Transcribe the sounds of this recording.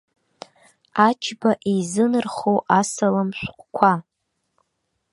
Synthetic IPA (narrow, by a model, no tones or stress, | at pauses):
at͡ʃʰbaʔizɨnɨrχowʔasalamʃʷqʷkʷʰa